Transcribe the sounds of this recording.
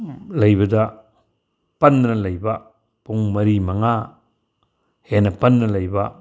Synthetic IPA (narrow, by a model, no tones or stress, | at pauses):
lɐjbɐdɐ | pɐnːɐlɐjbɐ | puŋmɐɾimɐŋa | henɐpɐnːɐlɐjbɐ